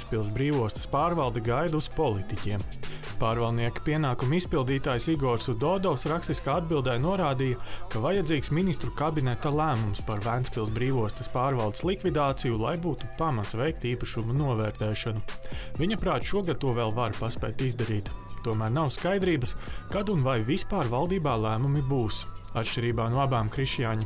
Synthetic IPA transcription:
spilˠsbɾiːvuɔst̪ɐ̥spaːɾvalˠd̪ɛɡajd̪uspɔlˠit̪icʲiɛm | paːɾvalˠd̪niɛki̥piɛnaːkumispilˠd̪iːt̪aːjsiɡɔɾsud̪ɔd̪ɔwsɾakst̪iskaːad̪̚bilˠd̪ɛjnuɔɾaːd̪ijɐkavajad̪ziːksminist̪ɾukabinɛt̪alˠæːmumspaɾvænspilˠsbɾiːvuɔst̪ɐ̥spaːɾvalˠd̪e̥slˠikvid̪aːt̪sijulˠa̰jbuːt̪upamat̪svɛjk̚t̪iːpɐʃumunuɔvɛːɾt̪ɛːʃɔnuviɲɐpɾaːt̪ʃuɔɡad̪̚t̪ːuɔvɛːlˠvaɾpaspɛ̰jk̚t̪izd̪ɐɾiːt̪t̪ːuɔmæːɾnawskajd̪ɾiːbɐskad̪unvajvispaːɾvalˠd̪iːbaːlˠæːmumibuːsat̪ʃʲt͡ʃʲiɾiːbaːnuɔabaːmkɾiʃjaːɲi

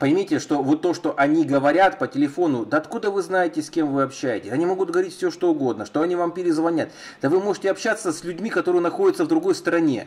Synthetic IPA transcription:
pəɪmʲitʲɪʂt̪o̞vo̞t̪ːo̞ʂt̪o̞ʔɐnʲiɡəvɐɾʲat̪pətʲɪlʲɪfo̞nʊd̪əɐt̪kud̪əvɨznajɪtʲɪsʲkʲe̞mvɨɐpɕːæjɪtʲɪsʲɐnʲimo̞ɡʊt̪̚ɡəvɐɾitʲfʲsʲoʂt̪o̞ʊɡo̞d̪nəʂt̪o̞ɐnʲivampʲɪɾʲɪzvɐnʲat̪ | d̪əvɨmo̞ʐɨtʲɪɐpɕːat̪sːəsʲlʲʉdʲmʲikɐt̪o̞ɾɨjnɐxo̞dʲɪt̪səvd̪ɾʊɡo̞jst̪əɾɐnʲe̞̰

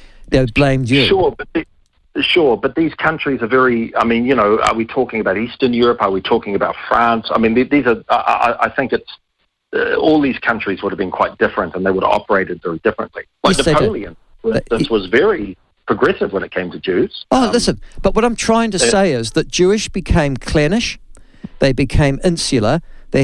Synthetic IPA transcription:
nob̥lẽɪ̃mdjʃɹʊɹbʌð | ʃʊɹbʌt̪̚ðiz̥kʰʌ̃nt͡ʃɹ̥izə˞vɛɹiaɪmĩnjɨnoʊə̰˞witʰɔkɪ̃ŋɨbaʊɾistə̃˞njʊɹəpə˞witʰɔkɪ̃ŋɨbaʊtfɹæ̃nsaɪmĩnðiðizə˞ʔa̰ɪʔaɪθɪ̃ŋkɨts | ɔlˠðiz̥kʰʌ̃nt͡ʃɹ̥izwʊɾəvbɨ̃nkʰw̥aɪt̚d̥ɪfɹə̃ntə̃nðeɪwʊɾə̰vɑ̰pə˞eɪɾɨdvɛɹidɪfɹə̰̃nʔlḭlaɪnɨoʊlˠiɨ̰̃n | ðɪswʌzvɛɹi | pʰɹ̥əɡɹɛsɨvwə̃ñɨt̚kʰẽɪ̃mtʰɨd͡ʒʉz̥oʊlɪsə̃nb̥ʌt̚wʌɾãɪ̃mtʰɹ̥aɪɪ̃ŋtɨeɪɪzðɨt̚d̥ʒ̥ʉɪʃb̥ɨkʰẽɪ̃mkʰl̥ɛnɪʃ | ðeɪbɨkʰẽɪ̃mɪ̃nsɨlˠəðeɪ

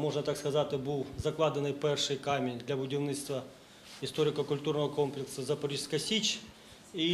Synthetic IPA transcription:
mo̞ʐnət̪akskɐzat̪ʲɪbɨlˠzɐklˠad̪ənɨjpɛrʂɨjkamʲɪnʲd̪lʲɐbʊdʲɪvnʲɨt̪st̪vɐ | ɪst̪o̞ɾʲɪkəkʊlʲt̪urnəvəkomplʲɪksɐzɐpɐɾʲiskɐsʲit͡ɕ | i

